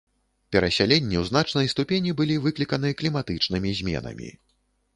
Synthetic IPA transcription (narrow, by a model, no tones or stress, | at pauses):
pʲɛɾɐsʲalʲɛnʲːiwznat͡ʂnɐjst̪upʲenʲibɨlʲivɨklʲikɐnɨɐklʲimat̪ɨt͡ʂnɨmʲizʲmʲɛ̰nɐ̰mʲḭ